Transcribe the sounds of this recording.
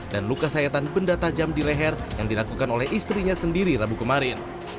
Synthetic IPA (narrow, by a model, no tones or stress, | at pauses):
danlukasajat̪anpəndat̪ad͡ʒamdilɛɦɛrjaŋdilakukanolɛhist̪ɾiɲasəndiɾiɾabukəmaɾɪn